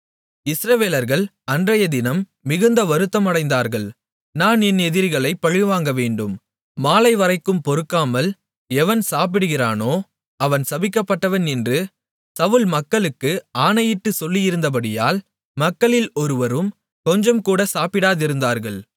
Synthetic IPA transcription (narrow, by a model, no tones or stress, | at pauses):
ɪsɾɐʋeːlɐɾɣɐɭ | ɐndrɐjɐd̪ɪnɐmː | ɪɣɯnd̪ɐʋɐɾɯt̪ːɐmɐɽɐɪnd̪aːɾɣɐɭ | naːnɛnɛðɪɾɣɐɭɐɪpːɐɻɪʋaːŋɡɐʋeːɳɖɯmː | aːlɐɪʋɐɾɐɪkːɯmpɔɾɯkːaːmɐl | ɛʋɐnsaːp̬ɪɽɯɣɪɾaːnoː | ɐʋɐnsɐbɪkːɐpːɐʈːɐʋɐnɛndrɯ | sɐʋʊlmɐkːɐɭɯkːɯaːnɐjɪʈːɯsɔlːɪjɪɾɯnd̪ɐp̬ɐɽɪjaːl | mɐkːɐɭɪlɔɾɯʋɐɾɯm | kɔɲd͡ʒɐmkuːɽɐsaːpɪɽaːðɪɾɯnd̪aːɾɣɐɭ